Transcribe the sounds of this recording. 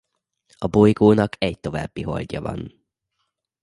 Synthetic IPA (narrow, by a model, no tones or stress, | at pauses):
ɒbo̞jɡoːnɒkʰɛɟt̪o̞va̰ːbːiɦo̞̰lɟɒvɒ̰n